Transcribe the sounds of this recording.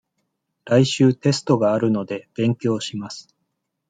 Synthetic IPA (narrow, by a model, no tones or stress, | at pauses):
ɾaiɕɨːt̪e̞sɨ̥t̪o̞ɡaːɾɯ̟no̞d̪e̞b̥ẽ̞ŋkʲo̞ːɕimasɨ̥